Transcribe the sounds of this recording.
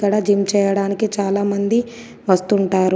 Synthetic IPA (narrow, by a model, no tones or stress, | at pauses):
kɐɽɐd͡ʒimt͡ʃɛːjɐɽaːnikit͡ʃaːlaːmɐnd̪i | ʋɐst̪uɳʈaːɾu